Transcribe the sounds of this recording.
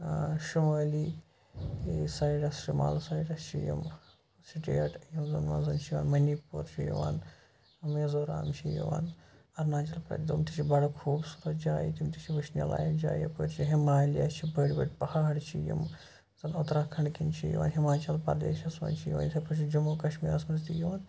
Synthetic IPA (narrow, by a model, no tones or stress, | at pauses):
ʃumɐːli | saːjiʈɐsʃuma̰ːlsaːjʈɐst͡ʃʰijḭm | siʈḛːʈjimzɐnʋɐ̰nzɐnt͡ʃʰiʋaːnmɐnipuːɾt͡ʃʰijḭʋa̰ːn | ɐmjɐzoːɾa̰ːmt͡ʃʰijḭʋa̰ːn | ɐɾnaːt͡ʃɐlpɾɐ̰t̪id̪umt̪it͡ʃʰibɐɽɐkʰuːbsuɾɐd͡ʒaːjḭt̪imt̪it͡ʃʰiʋɐʃnʲɐ̰la̰ːjind͡ʒa̰ːjɐpuɾt͡ʃʰiɦimaːlijɐst͡ʃʰibɐɽbɐ̰ʈpɐhaɦɐɽt͡ʃʰijḭm | zɐnut̪ɾaːkʰɐɳkint͡ʃʰḭj̰ʋa̰ːnɦimaːt͡ʃɐlpɐ̰d̪ḛːʃɐsʋɐ̰nt͡ʃʰijiʋa̰nsʰɐpɐt͡ʃʰid͡ʒumoːkɐʃmiːɾɐsmɐzt̪ijiʋaːn